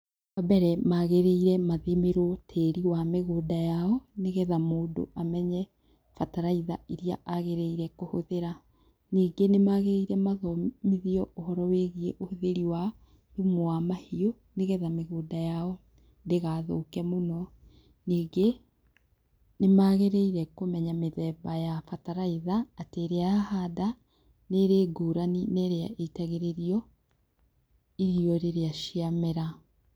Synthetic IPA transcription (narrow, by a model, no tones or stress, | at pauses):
abɛɾɛmaɣeɾeiɾɛmaðimeɾotʰeɾiwameɣoːdajaɔneɣɛðamoːdo̰ʔamɛɲɛ | fataɾaiða̰iɾiaʔaɣeɾeiɾɛkohoðeɾa | niːɡenemaɣeɾeiɾɛmaðɔmiðiɔʔohɔɾɔweɣieʔohoðeɾiwa | umowamahio | neɣɛðameɣoːdajaɔ | ndeɣaːðokɛmonɔ | niːɡe | nemaɣeɾeiɾɛkomɛɲameðɛbajafataɾaiðaːteɾeahada | neɾeːɡoːɾanineɾeaʔeitaɣeɾeɾiɔ | iɾiɔɾeɾeaʃiameɾa